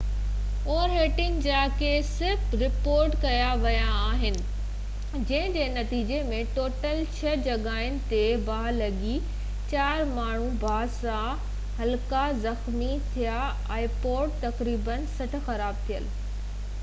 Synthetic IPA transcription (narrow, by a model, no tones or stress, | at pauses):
oːɾɦeːʈɪ̃ŋɡd͡ʑaːkesɪɾfɾɪpoːɾʈkɐjaʋɐjaːɦɪnɪ̆ | d͡ʑɐ̃ɦɪ̃d͡ʑeːnɐt̪iːd͡ʑemẽʈoːʈəlt͡ɕʰɐd͡ʑɐɠaːɪnɪ̆t̪ebʱaːlɐɠi | t͡ɕaːɾmaːɳ̤ũbʱaːsã | hɐlkazɐxmit̪ʰija | aːipoːɖ̚t̪ɐkɾiːbənsɐʈ̆ʰxɐɾaːb̚t̪ʰijəl